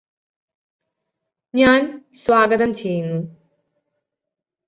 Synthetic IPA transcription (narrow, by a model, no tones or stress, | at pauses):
ɲaːnsʋaːɡɐðɐmt͡ɕe̞jːunːu